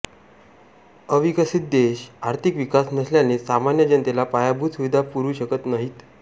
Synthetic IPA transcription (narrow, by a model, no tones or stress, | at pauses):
əʋikəsit̪̚d̪eɕaɾt̪ʰikʋikasnəsljanesamanjəd͡ʑənt̪elapajabʱut̪suʋid̪ʱapuɾuːɕəkət̪naɦiːt̪